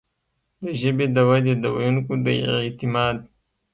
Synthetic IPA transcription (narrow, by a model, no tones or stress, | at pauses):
d̪əʒəbed̪əwad̪ed̪ɐwajunkod̪ət̪ɪmɑːd̪̚